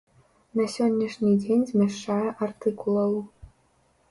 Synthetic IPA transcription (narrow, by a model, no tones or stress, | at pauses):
nɐsʲonʲːɐʂnʲidʲenʲzʲmʲeʂajɐʔɐrt̪ʰɨkulˠɐwu